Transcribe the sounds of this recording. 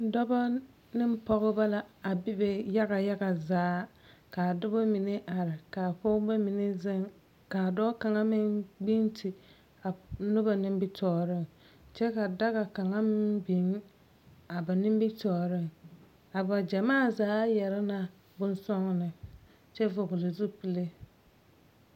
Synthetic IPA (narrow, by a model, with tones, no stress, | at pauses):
dɔ˦ba˦ | nɪ˦m˦pɔ˦ɣɪ˦ba˦la˨a˨bɪ˦be˨ja˦ɣa˨ja˦ɡa˨zaː˨˦ka˨dʊ˦ba˦mi˨ne˦ʔa˨ɾɪ˨ka˨pɔ˦ba˦mi˨ne˦zɪ˦ŋ | ka˨dɔ˦ka˨ŋa˦mɪ˦ŋɡ͡bi˦ntʰi˨ | a˨nʊ˦ba˨nɪ˦m˦bɪ˦tɔː˨ɾɪ˦ŋ | t͡ʃɛ˦ka˨da˦ɣa˨ka˨ŋa˦mɪ˦ŋbi˨˦ŋ | a˨ba˨nɪ˦m˦bɪ˦tɔː˨ɾɪ˦ŋ | a˨ba˨d͡ʒa˨maː˦˨zaː˨˦jɛ˨ɾɪ˦na˨ | bʊ˦nsɔ˦ŋnɪ˨ | t͡ʃɛ˦vʊ˨ɣʊ˨lɪ˨zu˦pi˨le˦